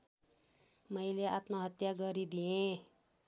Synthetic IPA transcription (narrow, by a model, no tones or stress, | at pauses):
mʌjleat̪noɦʌt̪jaɡʌɾid̪iẽ